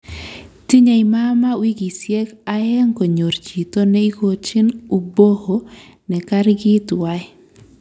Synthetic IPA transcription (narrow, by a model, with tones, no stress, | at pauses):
ti˦ɲa˨ima˦ma˦wi˦ɡi˨sje˦ka˦jɛ˦ŋko˨ɲo˨ɾt͡ʃi˨to˦nɛ˦i˦ko˦t͡ʃi˦nu˨bo˦ho˨ | nɛ˨ka˦ɾɡɪ˦ta˦ɪ˦